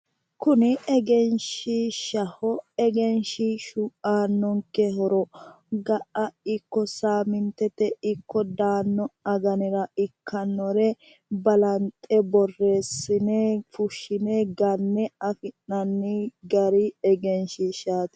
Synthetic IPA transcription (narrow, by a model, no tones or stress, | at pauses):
kʊnɪɛɡɛnʃɪʃɐhɔɛɡɛnʃɪʃuʔaːnːɔŋkɛhɔɾɔ | ɡɐʔɐɪkːɔsaːmɪnt̪ɛt̪ɛɪkːɔd̪aːnːɔɐɡɐnɪɾɐɪkʰːɐnːɔɾɛ | bɐlɐnt̪ʼɛbɔrːe̞ːsːɪnefʊʃɪnɛɡɐnːɛɐfɪnːɐnːɪɡɐɾɪɛɡɛnʃɪʃaːt̪